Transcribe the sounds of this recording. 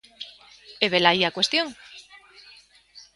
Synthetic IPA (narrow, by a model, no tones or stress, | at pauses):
eβelaiakwe̞st̪joŋ